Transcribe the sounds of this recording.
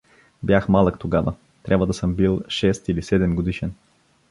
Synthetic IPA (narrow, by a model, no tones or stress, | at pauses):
bjaxmalˠəkt̪oɡavə̰ | t̪ɾʲabvɐəd̪ɐsɤmbilˠʃɛst̪ilisɛd̪ɛmɡod̪iʃɛn